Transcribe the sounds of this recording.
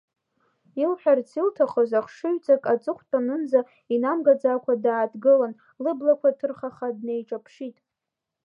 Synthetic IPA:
ilħᶣart͡sʰiltʰaχozaχʂɨɥt͡sʼakʼat͡sʼɨχʷʰtʼanɨnd͡za | inamɡad͡zakʷʰadaːdɡɨlan | lɨblakʷʰatʰɨrχaχadne̞jʈ͡ʂʼapʰʂitʼ

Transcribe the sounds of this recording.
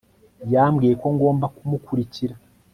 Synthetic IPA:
jamɡiːje̞ko̞ŋɡo̞ːmbakumukuɾiciɾa

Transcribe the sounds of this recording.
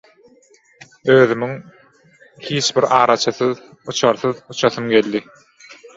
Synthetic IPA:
øːðymyŋ | hiːt͡ʃbiɾɑːɾɑt͡ʃʰɯθɯð | ut͡ʃʰɑɾθɯðut͡ʃʰɑθɯmɡe̞lʲd̪i

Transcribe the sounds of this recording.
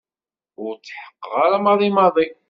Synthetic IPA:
ʊɾt͡sːħə̥qːʁaɾamɑðˤimɑðˤi

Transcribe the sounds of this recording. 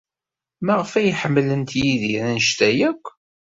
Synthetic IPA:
mæʁəfæjħəmːlənt̪jiðiɾænʃt̪æjækʷː

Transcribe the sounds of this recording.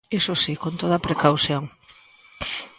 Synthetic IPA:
esosikont̪oðɐpɾekawθjoŋ

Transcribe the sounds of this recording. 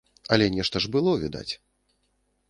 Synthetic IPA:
ɐlʲɛnʲɛʂt̪ɐʐbɨlˠɔvʲid̪a̰t͡sʲ

